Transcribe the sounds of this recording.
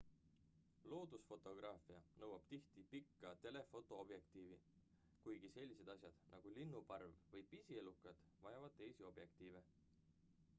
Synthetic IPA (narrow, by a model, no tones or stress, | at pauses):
lo̞ːd̪̥usfo̞t̪ˑo̞ɡ̥rɑːfiɑnɤwɑb̥t̪iht̪ipikˑːɑt̪e̞le̞fo̞t̪ˑo̞ob̥je̞kt̪iːvi | kujɡ̥ise̞lʲːise̞d̪̥ɑsjɑd̪̥nʔɑɡ̥ulinːupɑrvvɤjpisie̞lukːˑɑd̪̥ | vɑjɑvɑd̪̥t̪e̞jsio̞b̥je̞kt̪iːve̞